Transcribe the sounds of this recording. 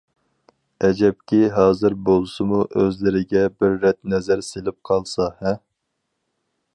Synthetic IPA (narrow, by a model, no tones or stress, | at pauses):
ɛd͡ʒɛp̚kʲiɦɑːzɨɾbolˠɨsɨmuʔøzlɪɾɪɡʲɛbɪɾːɛt̪̚nɛzæɾselɪp̚qʰɑlˠsɑhɛ